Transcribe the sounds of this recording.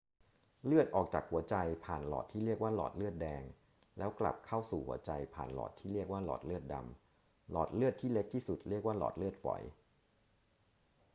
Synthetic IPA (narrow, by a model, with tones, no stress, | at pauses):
lɯ˥˩ət̪̚ʔɔː˨˩k̚t͡ɕaː˨˩k̚hu˩˦ɐt͡ɕa˧jpʰaː˨˩nlɔ̰ː˨˩t̪ʰːiː˥ɾi˥˩ək̚waː˥˩lɔ̰ː˨˩t̪̚lɯ˥˩ət̪̚dɛː˧ŋ | lɛː˦˥wkla̰˨˩p̚kʰa˥˩wsuː˨˩hṵ˩˦ɐt͡ɕa˧jpʰa̰ː˨˩nlɔ̰ː˨˩t̪ʰːiː˥˩ɾi˥˩ək̚waː˥˩lɔ̰ː˨˩t̪̚lɯ˥˩ət̪̚da̰˧m | lɔ̰ː˨˩t̪̚lɯ˥˩ət̪ʰːiː˥˩le˦˥k̚t̪ʰiː˥˩su˨˩t̪̚li˥˩ək̚waː˥˩lɔ̰ː˨˩t̪̚lɯ˥˩t̪̚fɔ̰˩˦j